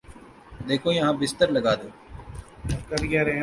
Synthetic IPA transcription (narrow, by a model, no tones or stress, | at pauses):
d̪eːkʰoːjɐɦãːbɪst̪əɾləɡaːd̪oː | kəɾɡaːɾɛ